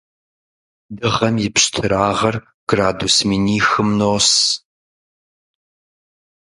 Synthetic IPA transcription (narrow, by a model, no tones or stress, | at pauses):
dɨʁɐmjɪpɕtʰɨɾaːʁɐr | ɡ̥raːdusmiːniːxɨmnoːs